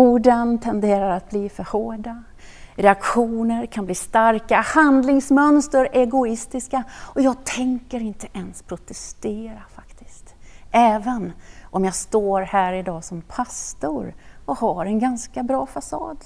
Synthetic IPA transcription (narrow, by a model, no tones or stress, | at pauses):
uːɖənt̪ʰɛnd̪eːɾaɾat̪̚bliːfœɾhoːɖa | ɾɛakɧuːnəɾkʰanbliːst̪aɾkahand̪lɪŋsmœnst̪əɾɛɡʊɪst̪ɪskaɔjɑːɡ̚t̪ʰɛŋkəɾɪnt̪əʔɛnspʰɾʊt̪ʰɛst̪eːɾafḁkt̪ɪ̥st̪ʔɛːvənʔɔmjɑːst̪oːɾhæːɾɪd̪ɑːsɔmpʰast̪ʊɾɔhaɾɛnɡanskabɾɑːfasɑ̰ːd̪